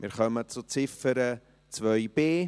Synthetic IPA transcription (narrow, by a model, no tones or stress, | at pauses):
mɪɾχœmət͡sut͡sɪfəɾə | t͡svœjbeː